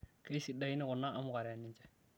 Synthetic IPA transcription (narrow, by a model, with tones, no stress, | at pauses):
ke˦i˦si˨da˦i˦nɪ˦kʊ˨na˦ʔːmʊ˦ka˨ɾɛ˨nɪ˨ɲt͡ʃɛ˦